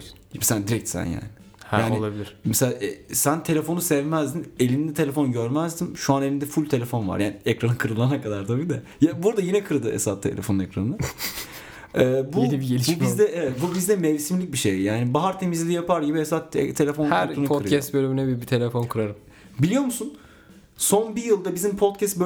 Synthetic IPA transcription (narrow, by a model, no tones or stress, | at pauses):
mɛsæand̪iɾɛc̚t̪sæ̰nja̰ːnɪ | hjaːnoilˠabilʲiɾ̥mɛslaːʔɛsænt̪ʰe̞lʲe̞fo̞nusɛvmæzd̪ine̞lʲind̪ɛt̪ʰe̞lʲefo̞nɟøɾmæzd̪inʃuane̞lʲind̪ɛfulʲt̪ʰe̞lʲe̞fo̞nva̰ɾjaːniɛcɾanɯkʰɯɾɯlˠanakad̪aɾt̪ʰabid̪a | jabuɾd̪ajinɛkʰɯɾɯd̪ɯḛsat̪ʰḛlʲefo̞nunɛcɾa̰nɯnɯ | ɛːbuibiɟelʲiubizd̪ɛʔɛvɛt̪̚bubizd̪ɛmɛvsimlʲic̚biʃejjaːnibaɦaɾt̪ʰe̞mizlʲijapaɾɟibiesat̪t̪ʰːe̞lʲefo̞nkhæɾʰunuɯɾɛst̪bølʲymynɛbibit̪ʰe̞lʲefo̞nkʰɯɾaɾɯm | bilʲijo̞ɾmusun | so̞nbijɯlˠd̪abizimpʰot̪̚cʰɛst̪bø